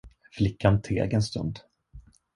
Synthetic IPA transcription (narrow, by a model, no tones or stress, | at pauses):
flɪkːant̪ʰḛːɡɛnst̪ɵ̰nd̪